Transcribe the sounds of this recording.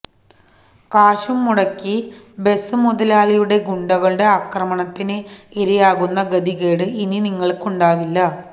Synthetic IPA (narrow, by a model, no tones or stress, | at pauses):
kaːɕumːuɽɐkːi | be̞sɨmuðɐlaːɭijuɽe̞ɡuɳɖɐɣɐɭɨɽe̞aːkrɐmɐɳɐt̪ːinɨeɾijaːɣunːɐɡɐd̪iɣeːɽɨininiŋːɐɭkuɳɖaːʋilːɐ